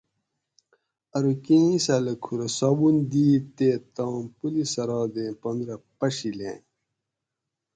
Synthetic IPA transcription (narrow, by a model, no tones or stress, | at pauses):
ɐɾukĩĩsɐlɐkʰuɾɐsabund̪iːt̪eːt̪ɑ̃ːmpulisɐɾɑːd̪ẽːpɐnd̪ɾɐpɐɕilḛ̃ː